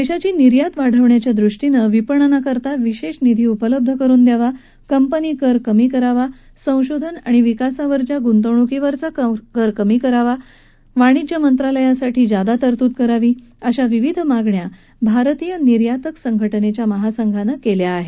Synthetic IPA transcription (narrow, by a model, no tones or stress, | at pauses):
d̪eɕat͡ɕiːniɾjat̪ʋaɽ̤əʋɳjat͡ɕjad̪ɾuʂʈinəʋipəɳənakəɾt̪aʋiɕeɕnid̪ʱiːupələb̚d̪ʱəkəɾuːnd̪jaʋa | kəmpəniːkəɾkəmiːkəɾaʋa | sə̃w̃ɕod̪ʱəna̰ɽ̃iʋikasaʋəɾt͡ɕjaɡunt̪əwɳ̃ukiʋəɾt͡sakəɾkəmiːkəɾaʋa | ʋaɽ̃id͡ʑjamənt̪ɾaləjãsaʈʰiːd͡zad̪at̪əɾt̪uːt̪̚kəɾaʋiː | əɕaʋiʋid̪ʱmaɡɳja | bʱaɾt̪ijəniɾjat̪əksəŋɡʱəʈənet͡ɕjaməɦasəŋɡʱanəkeljaːɦe